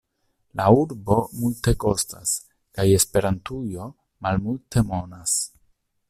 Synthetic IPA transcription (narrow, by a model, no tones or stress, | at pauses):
lauɾbo̞multe̞ko̞sta̰s | kaje̞spe̞ɾantujo̞ | malmulte̞mo̞nas